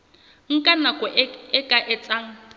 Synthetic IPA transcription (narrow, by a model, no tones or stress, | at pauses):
ŋ̩kʼanakʼɔɪkʼaʔɪt͡sʼaŋ̩